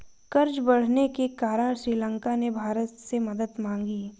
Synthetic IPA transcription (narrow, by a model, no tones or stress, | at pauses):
kɐɾd͡ʒbɐɽ̤nekekaːɾəɳ̃ʃɾiːlə̃ŋkanebʱaːɾət̪semɐd̪əd̪mãːŋɡi